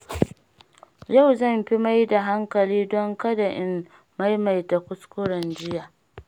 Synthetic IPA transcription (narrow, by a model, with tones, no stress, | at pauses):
ja˦˨wzɐ˦˨mɸi˦ma˦jda˨ɦa˦ŋkɐ˨liː˦dɔ˦ŋka˦da˨ʔɪ˦nː | a˦jma˨jta˨kʷʊ˦skʷʊ˦ɽɐ˨nd͡ʒɪ˦jaː˨